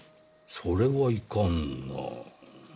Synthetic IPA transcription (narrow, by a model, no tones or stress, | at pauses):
soɾeβoikonːo̰